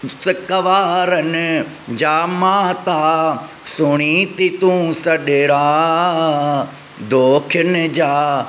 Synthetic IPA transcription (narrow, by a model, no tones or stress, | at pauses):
sɪkɐʋaːɾənɪ | d͡ʑaːmaːt̪aː | sʊɽ̃iːt̪it̪ũːsɐɗeɾaː | d̪ʱoːkʰənɪd͡ʑaː